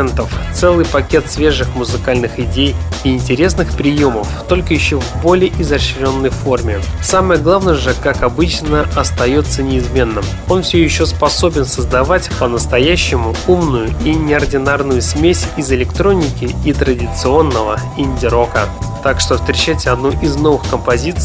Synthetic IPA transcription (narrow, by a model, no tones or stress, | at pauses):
nt̪əft̪sɛlˠɨjpɐkʲe̞t̪svʲe̞ʐɨxmʊzɨkalʲnɨxɪdʲejiɪnʲtʲɪɾʲe̞s̬nɨxpɾʲɪjo̞məft̪o̞lʲkəjɪɕːovbo̞lʲɪəʔɪzɐɕɾʲo̞nːəjfo̞rmʲɪsaməjəɡlˠavnəjəʐɨkakɐbɨt͡ɕnəɐst̪ɐjo̞t̪sənʲɪɪzmʲe̞nːəm | o̞nfsʲojɪɕːo̞spɐso̞bʲɪnsəzd̪ɐvatʲpənəst̪ɐjæɕːɪmʊumnʊjʊinʲɪɐrdʲɪnarnʊjʊsmʲesʲɪzɪlʲɪkt̪ɾo̞nʲɪkʲɪit̪ɾədʲɪt̪sɨo̞nːəvəɪnʲdʲɪɾo̞kət̪akʂt̪ofst̪ɾʲɪt͡ɕːætʲɐd̪nujʔɪzno̞vɨxkəmpɐzʲit̪s